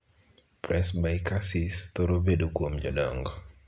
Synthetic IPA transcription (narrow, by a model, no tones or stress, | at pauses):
pɾʔɛsmaɪkasist̪oɾobedokwomd͡ʒɔlɔŋɡɔ